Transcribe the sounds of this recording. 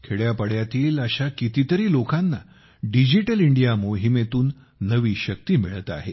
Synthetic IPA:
kʰeɭjapəɽjat̪iːləɕakit̪it̪əɾiːlokanːa | ɖid͡ʑiʈəliɳɖijamoɦimet̪uːnː | əʋiːɕək̚t̪iːmiɭt̪a̰ɦḛ

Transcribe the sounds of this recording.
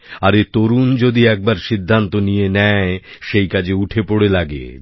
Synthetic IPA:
aɾet̪oɾund͡ʑod̪iɛk̚baɾʃid̪ʱːant̪onijenɛeʃejkad͡ʑeuʈʰepoɽelaɡḛ

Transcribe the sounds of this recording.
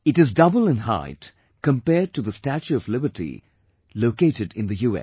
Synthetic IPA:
ɨɾɨzdʌbəl̩ˠɨ̃nɦa̰ɪt | kə̃mpɛd̚tɨðəstæt͡ʃʉʌvlɪbətʰḭ | loʊkeɪɾɨdɪ̃nðɨjuɛ̰

